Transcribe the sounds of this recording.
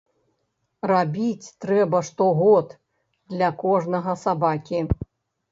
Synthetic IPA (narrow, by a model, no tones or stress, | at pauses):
rabʲit͡sʲt̪ɾɛbɐʂt̪ɔɣɔt̪ | d̪lʲɐkɔʐnɐɣɐsabakʲi